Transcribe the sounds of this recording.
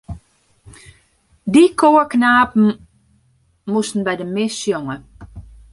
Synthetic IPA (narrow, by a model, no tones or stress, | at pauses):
dikʰoːəɹknaːpm̩ | musn̩bɛjdəmɪsjoŋə